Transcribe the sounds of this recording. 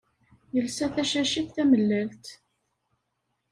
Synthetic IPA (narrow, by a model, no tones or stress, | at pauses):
jəlsæθæʃæʃiθθæməlːælt̪